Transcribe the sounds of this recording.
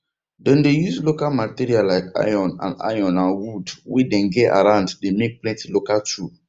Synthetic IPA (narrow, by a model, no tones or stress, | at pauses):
dɛ̃ndejuzlokalmatiɾialaɪka̰jɔ̃nã̰nda̰jɔ̃nãnwudwidɛ̃nɡɛa̰ɾãʊ̃nddemek̚plɛ̃ntilokatʰu